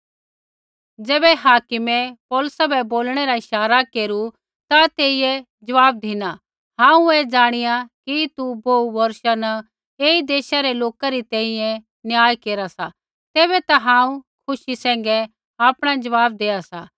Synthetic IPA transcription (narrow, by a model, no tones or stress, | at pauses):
d͡ʒɛːbɛɦaːkɪmepɔːləsabɛboːlɽ̃ɛɾaɪʃaːɾakeːɾu | t̪at̪eːije | d͡ʒɐʋaːb̚d̪ʱina | ɦãːũɛd͡ʒaːɽ̃ɪjakit̪uboːuʋɐɾʃanɐ | eːid̪eːʃaɾeloːkaɾit̪ɛ̃ĩjɛ̃ | nɪjaːjkeːɾasa | t̪eːβɛt̪aɦãːũkʰʊʃisɛ̃ːŋ̆ɡɛ | aːpɽ̃ad͡ʒɐʋaːb̚d̪eːasaː